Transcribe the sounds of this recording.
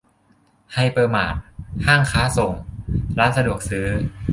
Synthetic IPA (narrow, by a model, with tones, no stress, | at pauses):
ha˧˩jpɤː˧maː˨˩t̪̚haː˥˩ŋkʰaː˦˥so˨˩ŋɾaː˦˥nsa˧du˨˩ək̚sɯː˦˥